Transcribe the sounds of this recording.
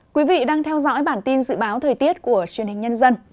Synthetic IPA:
kwi˨˦vḭ˧˨ɗaː˧ŋt̪ʰɛ˧wzɔ̰˧˥jɓaː˧˩nt̪i˧nzɨ̰˧˨ɓaː˨˦wt̪ʰəː˨˩jt̪i˦˥ət̚ku˧˩ət͡ɕwi˨˩ənhï˨˩ŋ̟ɲə˧nzə˧n

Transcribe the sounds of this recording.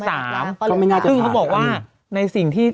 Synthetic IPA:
saː˩˦m˧˩m˥˩˨naː˥˩sɯ˥˩ŋkʰa˦˥wbɔː˨˩k̚waː˥˩ | na˧jsi˨˩ŋt̪ʰiː˥˩

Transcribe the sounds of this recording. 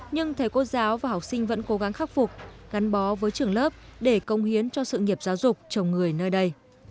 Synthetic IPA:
ɲɨ˧ŋt̪ʰə˨˦jko˧zaː˨˦wvaː˨˩ɦɔ˨˩k͡p̚sï˧ŋ̟və̰˧˥nko˨˦ɣa˨˦ŋxaː˦˥k̚fʊ˨˩k͡p̚ɣa˨˦nɓɔ˨˦vəː˨˦jt͡ɕɨ˨˩əŋləː˦˥p̚ɗe˧˩kə˨˦wŋ͡mhi˨˦ənt͡ɕɔ˧sɨ̰˧˨ŋi˨˩əp̚zaː˨˦wzʊ˨˩k͡p̚t͡ɕə˨˩wŋ͡mŋɨ˨˩əjnəː˧jɗə˧j

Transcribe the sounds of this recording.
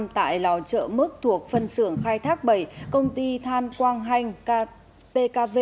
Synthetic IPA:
mt̪a̰ː˧˨jla̰˧˨˩wt͡ɕə̰ː˧˨mɨ˦˥k̚t̪ʰu˨˩ək̚fə˧nsɨ˧˩əŋxaː˧jt̪ʰaː˦˥k̚ɓə˧˩jkə˧wŋ͡mt̪i˧t̪ʰaː˧mkwaː˧ŋɦa˧jŋ̟˧ | t̪e˧kaː˧ve˧

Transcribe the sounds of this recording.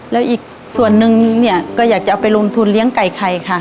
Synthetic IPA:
lɛː˦˥wʔiː˨˩k̚ | su˨˩ənːɯ˧ŋni˧˥˩ɐkɔː˧˩jaː˨˩k̚t͡ɕa˧˩pa˨˩jlo˧mt̪ʰu˧˨nli˧˥əŋka˨˩jkʰa˧˩jkʰa˧˩

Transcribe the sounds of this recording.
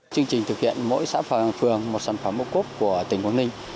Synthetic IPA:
t͡ɕɨ˧əŋt͡ɕï˨˩ŋ̟t̪ʰɨ˨˩k̚hḭ˧˨ənmo̰˧˥jsa̰ː˧˥fə˧˨˩fɨ˨˩əŋmo˨˩t̚sa˧˩nfə˧˩mːʔo̰˧˥ku˦˥p̚ku˧˩ət̪ï˨˩ŋ̟kwaː˨˧˦nmï˧ŋ̟

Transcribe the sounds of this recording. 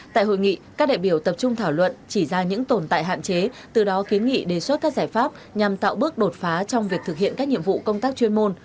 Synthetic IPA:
t̪a̰ː˧˨jɦo̰˧˨jŋḭ˧˨kaː˦˥k̚ɗa̰ː˧˨jɓi˧˩əwt̪ə˨˩p̚t͡ɕʊ˧ŋ͡mt̪ʰaː˧˩wlwə̰˧˨nt͡ɕi˧˩zaː˧ɲɨ̰˧˥ŋt̪o˨˩nt̪a̰ː˧˨ɦa̰ː˧˨nt͡ɕe˨˦t̪ɨ˨˩ɗɔ˨˦ki˨˦ənŋḭ˧˨ɗe˨˩swə˦˥t̚kaː˦˥k̚zaː˧˩jfaː˦˥p̚ɲa˨˩mt̪a̰ː˧˨wɓɨ˦˥ək̚ɗo˨˩t̚faː˨˦t͡ɕɔ˧wŋ͡mvi˨˩ək̚t̪ɨ˨˩k̚hḭ˧˨ənkaː˦˥k̚ɲḭ˧˨əmvṵ˧˨kə˧wŋ͡mt̪aː˦˥k̚t͡ɕwi˧ənmo˧n

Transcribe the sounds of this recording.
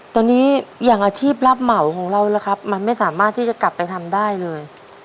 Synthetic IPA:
t̪ɔː˧niː˦˥jaː˨˩ŋʔaː˧t͡ɕʰiː˥˩p̬̚la˦˥p̚ma˩˦wkʰɔː˩˦ŋɾa˧wla˦kʰa˦˥p̚ma˧nma˥˩jsaː˩˦maː˥˩t̪ʰːiː˥˩t͡ɕa˨˩kla˨˩pːa˧jt̪ʰa˧mdaː˥˩jlɤː˧j

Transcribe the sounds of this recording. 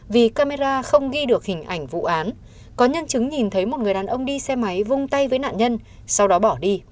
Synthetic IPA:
vi˨˩kaː˧me˧zaː˧xə˧wŋ͡mɣi˧ɗɨ˨˩ək̚hï˨˩ŋ̟ʔa˧˩jŋ̟vṵ˧˨ʔaː˨˦n | kɔ˨˦ɲə˧nt͡ɕɨ˨˦ŋɲi˨˩nt̪ʰə˨˦jmo˨˩t̚ŋɨ˨˩əjɗaː˨˩nʔə˧wŋ͡mɗi˧sɛ˧ma˨˦jvʊ˧ŋ͡mt̪a˧jvəː˨˦jna̰ː˧˨nɲə˧n | sa˧wɗɔ˨˦ɓɔ˧˩ɗi˧

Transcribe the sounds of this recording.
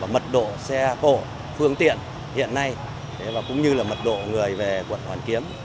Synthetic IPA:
aː˨˩mə˨˩t̚ɗo̰˧˨sɛ˧xo̰˧˨ | fɨ˧əŋt̪ḭ˧˨ən | hḭ˧˨ənːa˧j | t̪ʰe˨˦vaː˨˩kʊ̰˧˥ŋ͡mɲɨ˧laː˨˩mə˨˩t̚ɗo̰˧˨ŋɨ˨˩əjve˨˩kwə̰˧˨nhwaː˨˩nki˨˦əm

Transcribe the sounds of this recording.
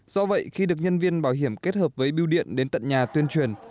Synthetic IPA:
z̥ɔ˧və̰˧˨jxi˧ɗɨ˨˩ək̚ɲə˧nvi˧ənɓaː˧˩wɦi˧˩əmke˦˥t̚həː˨˩p̚vəː˨˦jɓi˧wɗḭ˧˨ənɗe˨˦nt̪ə̰˧˨nɲaː˨˩t̪wi˧ənt͡ɕwi˨˩ən

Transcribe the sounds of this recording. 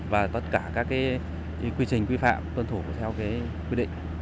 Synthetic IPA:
vaː˨˩t̪ə˦˥t̚kaː˧˩kaː˦˥kːaː˨˦ | kwi˧t͡ɕï˨˩ŋ̟kwi˧fa̰ː˧˨mt̪wə˧nt̪ʰu˧˩t̪ʰɛ˧wkaː˨˦j | kwi˧ɗḭ̈˧˨ŋ̟

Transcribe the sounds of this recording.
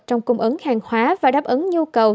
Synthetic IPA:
t͡ɕɔ˧wŋ͡mkʊ˨˧˩ŋ͡mʔə˨˦ŋhaː˨˩ŋhwaː˨˦vaː˨˩ɗaː˦˥p̚ʔə˨˦nɲu˧kə˨˩w

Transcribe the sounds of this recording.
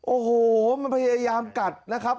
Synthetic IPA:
ʔoː˨˩hoː˨˩ma˧npʰa˧ja˧jaː˧mka˨˩t̪̚na˦˥kʰa˦˥p̚

